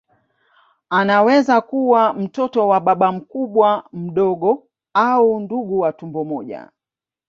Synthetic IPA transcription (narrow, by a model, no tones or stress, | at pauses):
anawɛzakuwam̩tɔtɔwaɓaɓam̩kuɓwam̩ɗɔɠɔ | aunduɠuwatumbɔmɔʄa̰